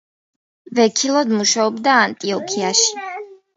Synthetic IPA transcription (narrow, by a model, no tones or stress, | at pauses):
vɛkʰilˠɔd̪muʃaɔbd̪aːnt̪ʼiɔkʰiaʃi̥